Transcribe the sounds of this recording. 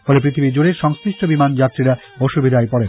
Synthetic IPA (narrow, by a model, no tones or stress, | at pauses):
fɔlepɾit̪ʰibid͡ʑoɽeɾʃɔŋskɾiʃʈʰobimand͡ʑat̪ːɾiɾa | bɔʃubʱid̪ʱaepɔɽe